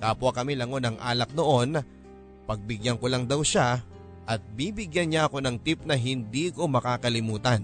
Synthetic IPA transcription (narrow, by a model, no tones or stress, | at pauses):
kaːpʊakɐmilɐŋo̞nɐŋʔa̰ːlɐk̚d̪o̞ʔo̞nɐ | pɐɡ̚bɪɡjanko̞lɐŋd̪awʃa | ʔɐt̪̚biːbɪɡjanɲaʔɐko̞nɐŋt̪ip̚nɐɦɪnd̪iːko̞mɐkaːkɐlɪmuːt̪ɐn